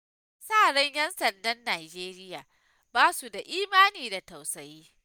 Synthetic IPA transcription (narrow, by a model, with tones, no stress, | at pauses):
saː˦˨ɽɐ˦ɲjɛ˦nsɐ˨ndɐ˦nːaː˨d͡ʒeː˦ɾɪ˦jaː˨ | baː˦su˨da˨ʔiː˦maː˦niː˨da˨ta˨wsɐ˨jiː˦